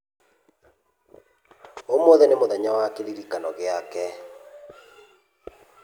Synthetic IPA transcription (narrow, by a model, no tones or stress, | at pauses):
omɔðɛnemoðɛɲawakeɾiɾikanɔɣeakɛ